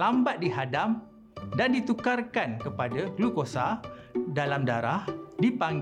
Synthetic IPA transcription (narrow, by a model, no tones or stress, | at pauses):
ambat̪̚diɦadam | dandit̪ukarkankəpadaklukosadalamdaɾahdipaŋɡ